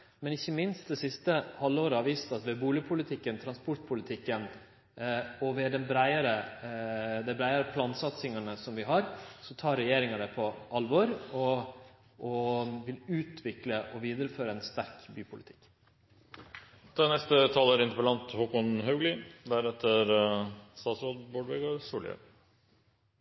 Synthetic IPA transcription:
mɛnɪçːəmɪnst̪̚d̪ɛsɪst̪əhɑlːəoːɾəhɑɾʋiːst̪ɑt̪ʋɛbuːlɪəpʰʊlɪt̪ʰɪkːənt̪ʰɾɑnspɔʈpʰʊlɪt̪ʰɪkːən | ɔʋɛːd̪ɛnbɾæɪəɾə | d̪æbɾæɪəɾəpʰlɑːnsɑt̪sɪŋɑnəsɔmʋɪɦɑɾsɔt̪ʰɑːɾːɛjeːɾɪŋəd̪ɛpʰɔʔɑlʋɔɾɔ | ʔɔʋɪlʉːt̪ʰʋɪkləʔɔʋiːd̪əɾəføːɾəɛnst̪æɾkbyːpʰʊlɪt̪ʰɪ̥kː | d̪̥ɛnɛst̪ət̪ʰɑːləɾɪnt̪əpəlɑnt̪huːkʊnɦœʉɡlɪd̪æɾɛt̪ʰːəɾst̪ɑːt̪sɔd̪boːɖʋɛɡɑɾsuːlə̰

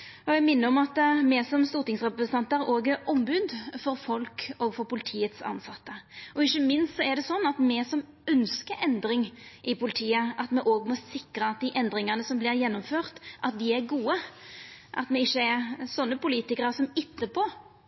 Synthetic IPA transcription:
ɔɛmɪnːəɔmɑt̪mɛsɔmst̪uːɾt̪ɪŋsʁɛpɾəsnɑnt̪əɾoːɡəʔɔmbʉd̪fɔɾfɔlkɔɡfɔɾpʊlɪt̪ʰiːət̪sɑ̰nsɑt̪ːəɔɪçːəmɪnst̪sɔɛd̪ɛsɔnːɑt̪mɛsɔm | œnskəʔɛnd̪ɾɪŋʔɪpʊlɪt̪ʰiːəʔɑt̪mɛʔoːɡmɔsɪkɾəɑt̪̚d̪ɪʔɛnd̪ɾɪŋənəsɔmblɪɾjɛnːʊmføːʁt̪ʔɑt̪̚d̪ɪæɾɡuːə | ʔɑ̰t̪mɛɪçːəɛɾsɔnːəpʊliːt̪ɪkəɾəsɔmɪt̪ːəpʰoː

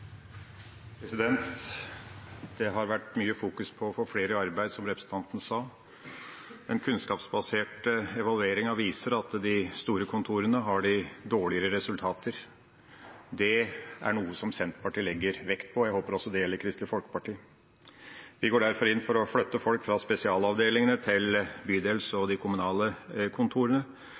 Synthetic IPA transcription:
pʰɾɛsɪd̪ɛnt̪ | d̪̥ɛɦɑɾʋæʈːmyːəfuːkʉspʰɔːfoːfleːɾəɑɾbæɪd̪sɔmɾɛpɾəsn̩t̪ʰɑnt̪ənəsɑː | mɛnkʰʉnskɑːpsbɑseːʈəɛʋɑlʉeːɾɪŋɑʋiːsəɾɑt̪d̪ɪst̪uːɾəkʰʊnt̪ʰuːɾənəɦɑɖɪd̪oːɭɪəɾəɾɛsʉlt̪ʰɑːt̪ʰəɾ | d̪ɛʔæ̰ɳuːəsɔmsɛnt̪pʰɑʈʰiːlɛɡːəɾʋɛkt̪̚pʰɔjæɪhoːpəɾɔsːɔd̪ɛjɛlːəɾkʰɾɪst̪lɪfɔlkə̥pɑʈiː | ʋɪɡoːɖæɾfɔɾɪnːfɔɾɔfɽœt̪ːəfɔlkfɾɑspɛsɪɑːlɑʋd̪eːlɪŋənət̪ʰɪlbyːd̪eːlsɔd̪ɪkʰʊmʉnɑːləkʰʊnt̪ʰuːɾənə

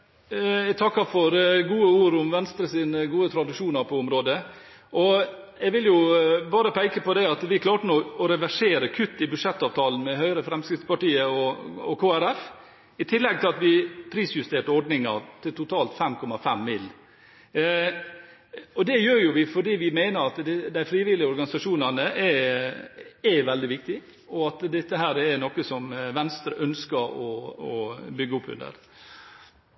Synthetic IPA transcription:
ɛt̪ʰɑkːɑfɔɾɡuːəuːɾʊmʋɛnst̪ɾəsiːnəɡuːət̪ʰɾɑd̪ɪʂuːnɑɾpʰɔʊmɾoːd̪ə | ʔɔɛɡʋɪljʊbɑːɾəpʰæɪkəpɔd̪ɛɑt̪ʋɪkʰlɑːʈənoːɔɾɛʋæʂeːɾəkʰʉt̪ːɪbʉʂɛt̪ːɑːʋt̪ʰɑːlən̩mɛɦœʏɾəfɾɛmskɾɪftspɑʈiːəɔɔkʰoːæɾɛf | ɪt̪ʰɪlːɛɡ̚t̪ʰɪlɑt̪ʋɪpʰɾiːsjʉst̪eːʈəɔɖnɪŋɑ̰ɾt̪ʰɪlt̪ʊt̪ʰɑːlt̪fɛmkʰɔmɑfɛmːɪlː | ɔd̪ɛjøːɾjʊʋɪfɔɖiːʋɪmæɪnəɾɑt̪d̪d̪æɪfɾiːʋɪlɪəɔɾɡɑnɪsɑʂuːnɑnəʔɛ | ɛʋɛld̪ɪʋɪk̚t̪ɪ | ɔɑt̪d̪ɛt̪ːəɦæːɾɛnɔkəsɔmʋɛnst̪ɾəʔœnskəɾɔɔbʏɡːəʊpːʉ̰nd̪ə̰ɾ

